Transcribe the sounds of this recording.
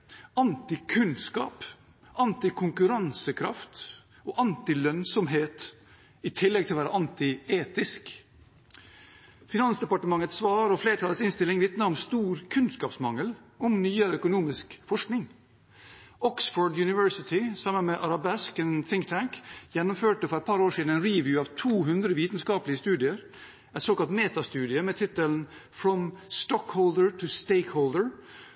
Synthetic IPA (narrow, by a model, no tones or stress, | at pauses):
ɑnt̪ɪkʰʉnskɑ̰ːp | ɑnt̪ɪkʰʊŋkʉɾɑnsəkʰɾɑ̰ft̪ | oːʔɑnt̪ɪlœnsɔmɦeːt̪ | ɪt̪ʰɪlːɛɡt̪ʰɪlʋæːɾəʔɑnt̪ɪeːt̪ɪsk | fɪnɑnsd̪ɛpɑʈəmɑŋːət̪sʋɑːɾɔfleːɾəʈʰɑːlətsɪnst̪ɪlɪŋʋɪt̪nəɾɔmst̪uːɾkʰʉnskɑːpsmɑŋːəlɔmnyːəɾəœkʊnuːmɪskfɔʂknɪŋ | ʔɔksfɔːɹɖjʉnɪʋœɹsɪt̪ʰɪsɑmːənmeːʔɑɾɑbɛskɛnθɪŋkt̪ʰæŋkjɛnːʊmføːʈəfɔɾɛt̪̚pʰɑɾoːʂiːd̪n̩ɛɪnɹiːʋjʉːɑːʋt̪ʰuːɦʉnd̪ɾəʋiːt̪n̩skɑːplɪəst̪ʉːd̪ɪəɾ | ɛɪt̪soːkɑlt̪meːt̪ɑst̪ʉːd̪ɪəmeːt̪ʰɪt̪əln̩ | fɾɔmst̪ɔkhɔʊld̪əɹt̪ʰʉst̪eɪkhɔʊld̪əɹ